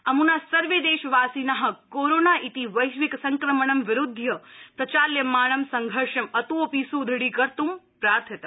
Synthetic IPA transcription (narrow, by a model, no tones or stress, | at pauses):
ɐmunasɐɾʋed̪eːʃʋaːsinɐɦɐ̆koɾonaʔit̪iʋɐjʃʋiksɐŋkɾɐməɳɐmʋɪɾud̪ʱːjɐpɾɐt͡ʃaːljɐmaːɳɐmsɐŋɡʱəɾʃɐmɐt̪uoːpisud̪ʱɽikɐɾt̪umpɾaːɾt̪ʰɐt̪ɐ